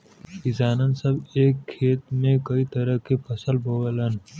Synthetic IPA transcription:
kɪzaːnənsɐbeːkʰːeːt̪mẽkɐit̪ɐɾəɦkepɐsəlbʱoːələn

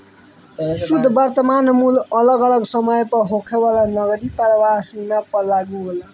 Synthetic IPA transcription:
sud̪ʱːbʌrt̪ʌmanmulʌlʌɡʌlʌɡsʌmʌjpʌɦokʰewalanʌɡʌɾipʌɾʌwaɦsimapʌlːaɡuɦl

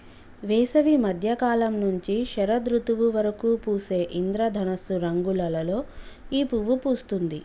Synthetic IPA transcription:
ʋɛːsɐʋimɐd̪ʱjɐkaːlɐmnuɲt͡ʃiʃɐɾɐd̪ɾut̪uʋuʋɐɾɐkuːpuːse̞ːʔind̪ɾɐd̪ʱɐnɐsuɾɐŋɡulɐlɐlo̞ː | iːpuʋupuːst̪und̪ḭ

